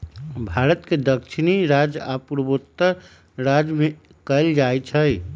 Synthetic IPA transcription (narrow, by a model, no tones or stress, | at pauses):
bʱaɾət̪ked̪əkʃʰiniɾad͡ʒa̰puɾəbot̪ːə | ɾad͡ʒme | kəld͡ʒajt͡ʃʰəj